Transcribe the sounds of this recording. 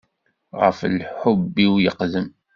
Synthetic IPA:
ʁə̰flħʊbːiwjəqðəm

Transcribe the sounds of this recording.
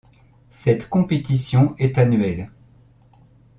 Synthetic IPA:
sɛt̪kɔ̃pet̪isjɔ̃ɛt̪anɥɛl

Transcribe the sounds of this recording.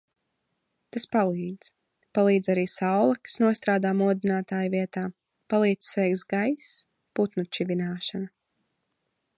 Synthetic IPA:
t̪aspalˠiːd̪z̥ | palˠiːd̪zaɾiːsawlˠɐkḁsnuɔst̪ɾaːd̪aːmuɔd̪inaːt̪aːjviɛt̪aː | palˠiːd̪zsːvɛjk̚t̪zɡajs | put̪nut͡ʃivinaːʃana

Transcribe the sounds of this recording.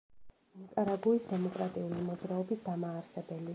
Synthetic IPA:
nikʼaɾaɡuisd̪ɛmɔkʼɾat̪ʼiulimɔd̪zɾaɔbisd̪amaːɾsɛbɛli

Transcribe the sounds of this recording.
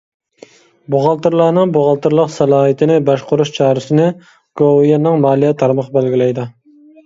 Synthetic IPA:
boʁɑlˠt̪ɨɾlˠɑːnɨŋboʁɑlˠt̪ɨɾlˠəqsɛlˠɑːɦit̪ʰɪnɪbɑʃqʰʊɾuʃt͡ʃʰɑːɾɨsɪnɪ | ɡ̥owjɑnɨŋmɑːlˠijɛt̪ʰɑɾmɑqbælɡʲilɛjd̪ɑ

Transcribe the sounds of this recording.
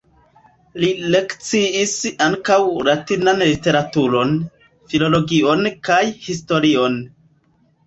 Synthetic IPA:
lile̞kt͡siisaŋkawlatinanlite̞ɾatuɾo̞n | filo̞lo̞ɡio̞nkajhis̬to̞ɾio̞n

